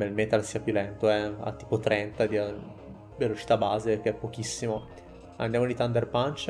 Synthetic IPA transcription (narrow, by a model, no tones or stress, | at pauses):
belmet̪alsiːapjulɛnt̪oɛa̰t̪ːiːpot̪ɾɛnt̪ad̪ia | velot͡ʃi̥t̪abaːzekeɛpːok̟isːimo | and̪jamolit̪and̪erpant͡ʃa